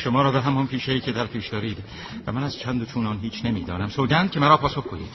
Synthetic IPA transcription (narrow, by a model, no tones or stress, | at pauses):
ʃomɒːɾɒːbeɦæmɒnpʰiːʃeiːcʰe̞d̪æɾpʰiːʃd̪ɒːɾiːd̪ | væ̰mænæz̥t͡ʃʰænd̪ot͡ʃʰuːnɒːnɦiːt͡ʃʰnemiːd̪ɒːnæmsoːɟʲænd̪̚cʰe̞mæɾɒːpʰɒːsoxkoḭːd̪̥